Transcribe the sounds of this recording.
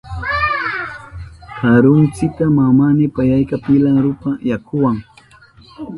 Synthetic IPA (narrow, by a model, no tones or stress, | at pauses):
haɾʊnt͡sɪt̪amamanɪpajajkapɪlaɾʊpajakʰʊwaŋ